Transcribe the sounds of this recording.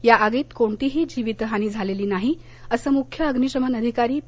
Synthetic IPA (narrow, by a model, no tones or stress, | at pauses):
jaʔaɡiːt̪koɳt̪iːɦiːd͡ʑiʋit̪ɦañiːd͡zʱaleliːnaɦi | əsəːmukʰjəəɡniɕəmənəd̪ʱikaɾiː